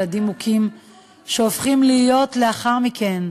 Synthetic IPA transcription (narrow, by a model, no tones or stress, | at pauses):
adimukʰim | ʃeofχimlijo̞tle̞aχaʁmike̞n